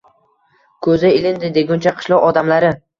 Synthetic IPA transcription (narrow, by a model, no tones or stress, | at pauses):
kʰɵzɪɪlɪnd̪ɪd̪eɡʲʊnt͡ʃʰaqʰɨ̥ʃlˠɒʁɒd̪amlaɾɪ